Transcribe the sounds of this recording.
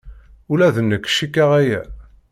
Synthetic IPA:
ulæðənːəkːʃikːæʁæjæ̰

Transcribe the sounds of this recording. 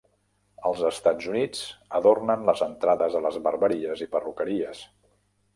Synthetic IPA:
əlˠzəst̪ad͡zunid͡zəðornənləzənt̪ɾaðəzðələzβərβəɾiəzipərukəɾiəs

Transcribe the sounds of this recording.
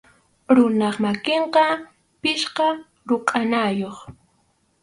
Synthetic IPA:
ɾʊnɑχmakeɴqɑ | pɪʃqɑ | ɾʊqʼanajoχ

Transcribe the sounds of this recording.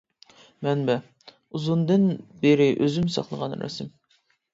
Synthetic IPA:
mɛnbɛ | uzund̪ɨnbeɾɪʔøzymsɑ̰χlˠəʁɑnɾɛ̰sɪm

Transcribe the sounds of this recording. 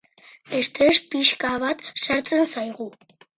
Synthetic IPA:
est̪eʃpiʃkaβat̪ʃaɾt͡se̞nsajɣu

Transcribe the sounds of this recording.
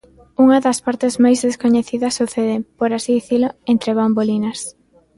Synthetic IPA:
uŋɐðɐspaɾt̪ezmajzðeskoɲeθiðɐsuθeðepoɾasiðiθilʊent̪ɾeβambolinɐs

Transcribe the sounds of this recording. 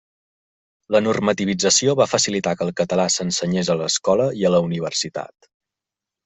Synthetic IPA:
lənurmət̪iβ̞id͡zəsioβafəsilit̪akəlˠkət̪əlasənsəɲezələskɔləiələuniβ̞ərsit̪a̰t̪

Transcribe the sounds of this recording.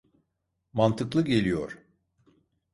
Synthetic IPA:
mant̪ʰɯklˠɯɟe̞lʲijo̰ɾ̥

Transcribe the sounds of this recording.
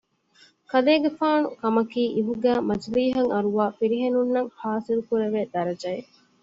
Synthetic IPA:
kɐleːɡefaːnṵkɐmɐkiːʔiɦuɡæːmɐd͡ʒliːɦɐŋɐɾuʋaːfiɾiɦenunːɐŋhaːsilukuɾeʋeːd̪ɐɾɐd͡ʒɐe

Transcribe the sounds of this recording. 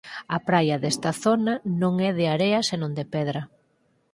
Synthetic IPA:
ɐpɾajɐðest̪ɐθonɐnõŋɛðɪaɾeɐsenõnd̪epɛðɾɐ

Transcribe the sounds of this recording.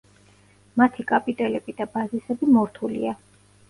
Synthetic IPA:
mat̪ʰikʼapʼit̪ʼɛlɛbid̪abazisɛbimɔɾt̪ʰulḭa

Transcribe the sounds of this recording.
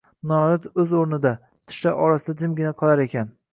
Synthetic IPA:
nɒɾɪt̪ɵzoɾnɪd̪a | t̪ʰɪ̥ʃaʔɒɾasɪd̪ad͡ʒɪmɡʲɪnaqʰɒlˠaɾe̞kʲan

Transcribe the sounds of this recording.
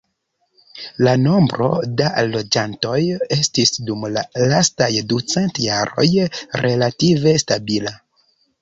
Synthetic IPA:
lano̞mbɾo̞̰dalo̞d͡ʒanto̞je̞stisdumlalastajdut͡se̞ntjaɾo̞̰jɾʔe̞lative̞stabila

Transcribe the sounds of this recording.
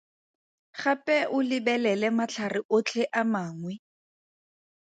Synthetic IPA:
χapʼɛʔʊlɪbɛlɛlɛmat͡ɬʰarɪʔʊt͡ɬʰɛʔamaːŋwɛ

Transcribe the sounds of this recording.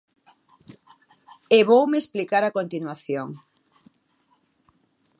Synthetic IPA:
eβowmeesplikaɾakont̪inwaθjoŋ

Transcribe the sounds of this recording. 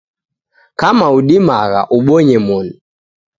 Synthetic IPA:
kamauɗimaɣa̰ʔuɓɔɲɛmɔnu

